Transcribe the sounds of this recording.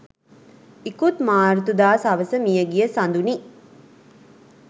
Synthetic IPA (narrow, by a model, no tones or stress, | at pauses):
ikut̪maːɾut̪ud̪aːsɐʋəsəmijəɡijəsɐnd̪uni